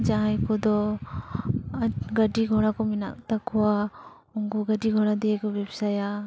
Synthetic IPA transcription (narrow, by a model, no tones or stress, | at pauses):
d͡ʒaɦãjkɔd̪ɔ | ɡəɖiɡʱɔɽ̃akɔmɪna̰ʔ̚t̪akɔwa | uŋɡɔɡəɖiɡʱɔɽ̃ad̪iɛkɔbɛbsaja